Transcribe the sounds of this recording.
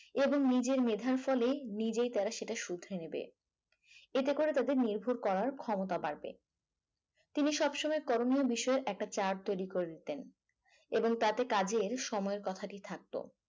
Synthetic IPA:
eboŋnid͡ʑeɾmed̪ʱaɾfɔlenid͡ʑejt̪aɾaʃeʈaʃud̪ʱːɾenebḛ | et̪ekoɾet̪ad̪eɾniɾbʱuɾkɔɾaɾkʰɔmot̪abaɾbḛ | t̪iniʃɔbʃɔmɔekɔɾoniobiʃɔeɾʔɛk̚ʈat͡ɕaɾʈ̚t̪ojɾikoɾed̪it̪en | eboŋt̪at̪ekad͡ʑeɾʃɔmɔeɾkɔt̪ʰaʈit̪ʰak̚t̪o̰

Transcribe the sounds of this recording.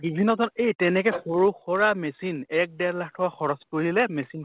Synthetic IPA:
ɡibʱinːɔtɔnejtɛnɛkɛxoɹuxɔɹamesinɛk̚dɛɹlakʰtʰɔwaxɔɹɔspoɹilɛmesin

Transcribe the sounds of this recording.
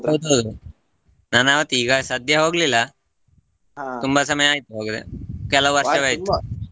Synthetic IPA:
ɐwd̪uɦɐwd̪u | naːnaːʋɐt̪ːiːɡɐsɐd̪ʱjɐɦoːɡlilːɐ | t̪umbasɐmɐjaːjit̪ːuɦoːɡid̪ḛkɛlɐwʋɐɾʂɐʋɐjt̪ː

